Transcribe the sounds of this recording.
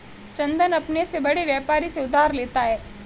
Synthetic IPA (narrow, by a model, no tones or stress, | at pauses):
t͡ʃɐ̃nd̪ənɐpnesebɐɽeʋjɛːpaːɾiseʊd̪ʱaːɾleːt̪aɦɛː